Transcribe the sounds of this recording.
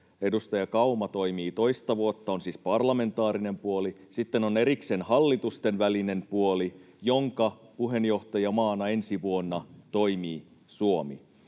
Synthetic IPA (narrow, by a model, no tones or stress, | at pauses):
e̞dust̪ɑjɑkɑumɑt̪o̞jmiːt̪o̞ist̪ɑʋuot̪ːɑonsiːspɑrlɑme̞nt̪ɑːɾine̞mpuolisit̪ːeno̞ne̞ɾiksenhɑlːit̪ust̪e̞nʋæline̞mpuoli | jo̞ŋkɑpuɦe̞njo̞ht̪ɑjɑmɑːnɑe̞nsiʋuonːɑt̪o̞imiː | suomḭ